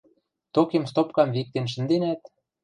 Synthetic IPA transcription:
t̪okemst̪op̚kɑmβik̚t̪enʃ̬ə̆nd̪enæt̪̚

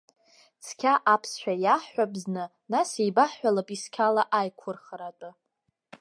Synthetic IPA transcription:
t͡sʰkʲʰaʔapʰsʃʷᶣajaħːʷabznɨ | nasejbaħːʷalapʼiskʲʰalaʔajkʷʰʊrχɾatʼɨ

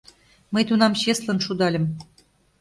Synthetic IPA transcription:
məjt̪unɑmɕeslə̆nʃud̪ɑlʲə̆m

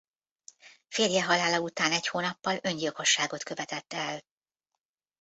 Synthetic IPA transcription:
feːrjɛɦɒlaːlɒut̪aːnɛchoːnɒpːɒlø̞ɲɟilko̞ʃːaːɡo̞t̪kø̞vɛt̪ɛt̪ːɛl

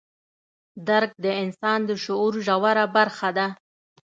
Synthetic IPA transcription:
d̪aɾɡ̚d̪əɪnsɑnd̪əʃʊuɾʒawaɾabaɾxad̪a

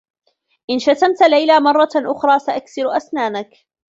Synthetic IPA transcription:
ʔɪnʃat̪amt̪lajlaːmɑrˤːɑʔʊxɾˤɑːsaʔaksɪɾʔasnaːnak

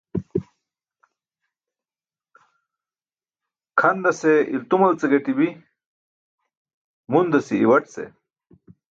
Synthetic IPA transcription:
kʰɐnd̪ɐseilt̪umɐlt͡seɡɐʈibi | mund̪ɐsḭːwɐʈt͡sḛ

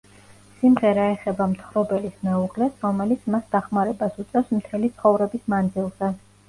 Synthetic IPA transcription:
simʁɛɾaɛχɛbamt̪ʰχɾɔbɛlismɛuʁlɛsɾɔmɛlit̪sʰmasd̪aχmaɾɛbasut̪sʼɛfsmt̪ʰɛlit̪sʰχɔvɾɛbismand̪zilˠz̥ɛ

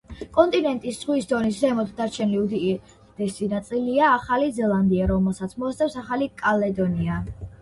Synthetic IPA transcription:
kʼɔnt̪ʼinɛnt̪ʼisz̥ʁwisd̪ɔniszɛmɔt̪ʰd̪aɾt͡ʃʰɛniud̪i | d̪̥ɛsinat̪sʼiliaːχalizɛlˠand̪iaɾɔmɛlˠsat̪sʰmɔast̪sʼɛpsaχalikʼalɛd̪ɔnia

